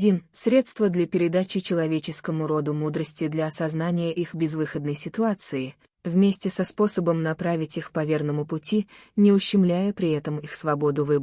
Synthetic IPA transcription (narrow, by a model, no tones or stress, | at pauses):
dʲinsɾʲe̞t̪st̪vəd̪lʲɐpʲɪɾʲɪd̪at͡ɕɪt͡ɕɪlˠɐvʲet͡ɕɪskəmʊɾo̞d̪ʊmud̪ɾəsʲtʲɪd̪lʲɐɐsɐznanʲɪjəʔixbʲɪzvɨxəd̪nəjsʲɪt̪ʊat̪sɨɪ | vmʲesʲtʲɪsɐspo̞səbəmnɐpɾavʲɪtʲixpɐvʲe̞rnəmʊpʊtʲi | nʲɪʊɕːɪmlʲæjəpɾʲɪɛt̪əmixsvɐbo̞d̪ʊvɨb